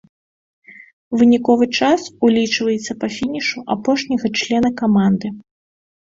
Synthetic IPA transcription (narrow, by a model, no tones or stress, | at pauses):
vɨnʲikɔvɨt͡ʂasulʲit͡ʂvɐjɛt̪sːɐpɐfʲinʲiʂuʔapɔʂnʲɐɣɐt͡ʂlʲɛnɐkamand̪ɨ